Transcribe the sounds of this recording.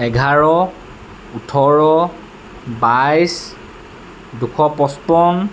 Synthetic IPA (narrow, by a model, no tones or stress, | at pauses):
ɛɡʱaɹɔ | utʰɔɹɔ | bajs | dukʰɔpɔspɔn